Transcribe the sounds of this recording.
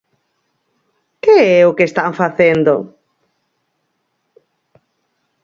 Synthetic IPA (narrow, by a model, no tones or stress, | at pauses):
keɛʊkest̪aɱfaθend̪ʊ